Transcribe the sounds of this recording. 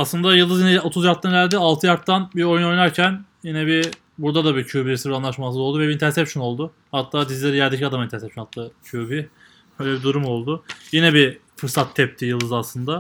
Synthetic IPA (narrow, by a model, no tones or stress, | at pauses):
aslˠɯnd̪ajɯlˠd̪ɯzjinɛo̞t̪ʰuzjak̚t̪ːanælʲd̪ialˠt̪ʰɯjak̚t̪ʰːanbio̞juno̞jnaɾcʰænjinɛbi | buɾd̪ad̪abicʰuːbiɾesɯɾbɾanˠaʃmasɯzolˠd̪uvɛbint̪ʰæɾsɛpʃono̞lˠd̪ʊ | hat̪ʰːaːd̪izlʲeɾijæɾd̪ecʰiad̪amint̪ʰænsɛpʃonat̪ːacʰuːbi | bøjlʲɛbid̪uɾumo̞lˠd̪ʊjinɛbifɯɾsat̪ʰːɛp̚t̪ʰijɯlˠd̪ɯzaslˠɯnd̪a